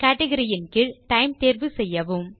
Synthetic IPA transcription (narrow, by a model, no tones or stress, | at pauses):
kɐːʈɛɣɐɾɪjɪnkɪɭʈɐɪmt̪eːɾʋɯsɛjːɐʋɯm